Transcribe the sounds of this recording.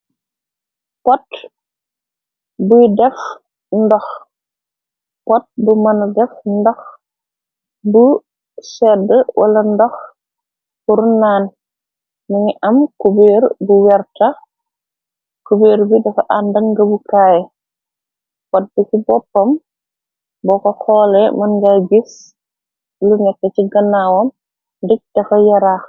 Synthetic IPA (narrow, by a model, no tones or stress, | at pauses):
pɔt | bujdɛf | ndɔx | pɔt̚bumɐndɛfndɔx | bu | sɛdəwʔa̰lɐndɔx | kuɾunːaːn | niŋiʔɐmkubeːɾbuwɛrtɐ | kubeːɾbidɐfɐʔandɐŋɡɐbukaːjɛ | kɔd̚bikibɔpːɐm | bɔkɐxɔːlɛmɐnɡaɡis | lunɛtːɛciɡɐnːawɔm | ndik̚d̥ɐfɐjɐɾaːx